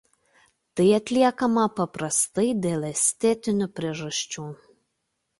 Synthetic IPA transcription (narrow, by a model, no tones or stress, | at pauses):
t̪ɐɪɐt̪ʲlʲiɛkɐmɐpɐpɾɐst̪ɐɪd̪ʲeːlˠɛsʲt̪ʲɛt̪ʲɪnʲʊpʲɾʲiɛʒɐʃʲt͡ʃʲuː